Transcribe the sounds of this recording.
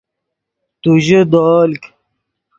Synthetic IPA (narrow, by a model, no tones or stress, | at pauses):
t̪uʑed̪ɔːlk